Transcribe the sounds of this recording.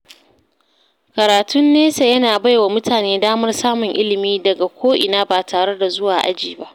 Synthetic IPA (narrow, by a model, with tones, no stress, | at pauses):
kɐ˨ɾaː˨tʊ˦nːeː˦se˨jɐ˦naː˨ba˦jwa˨mʊ˦tʰaː˨neː˦daː˦mɐ˦rsaː˦mʊ˨ŋʔɪ˦lɪ˨miː˦dɐ˨ɡa˨kʷoː˦ʔɪ˨naː˦baː˨tʰaː˨ɽe˦da˨zʊ˦waː˨ʔa̰˦d͡ʒiː˨ba˦ʔ